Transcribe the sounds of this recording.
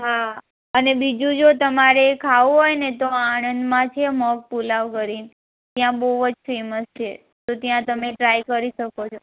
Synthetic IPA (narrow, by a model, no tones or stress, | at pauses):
ɦa | ənebid͡ʒũd͡ʒot̪əmaɾekʰauɦojnet̪oanənd̪mãt͡ʃʰemɔk̚pulaʋkəɾin | t̪jãboʋod͡ʒfeməst͡ʃʰe | t̪ot̪jãt̪əmeʈɾajkəɾiʃəkot͡ʃʰo